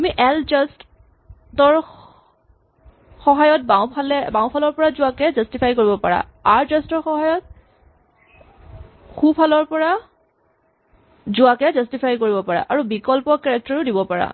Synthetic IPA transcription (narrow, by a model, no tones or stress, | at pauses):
amiʔɛlzɔst | tɔɹ | xɔɦajɔt̚bawpʰalɛbãwpʰalɔɹpɔɹazʊakɛzɔstipʰajkoɹibɔpaɹa̰ | aɹzɔstɔɹxɔɦajɔt̚ | xupʰalɔɹpɔɹa | zʊakɛzɔstipʰajkoɹibɔpaɹa̰ʔaɹubikɔlpɔkɛɹɛk̚tɔɹʊdibɔpaɹa̰